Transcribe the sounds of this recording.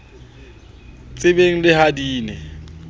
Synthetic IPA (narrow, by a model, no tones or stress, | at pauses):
t͡sʼɪbeŋ̩lɪhadiːnɪ̰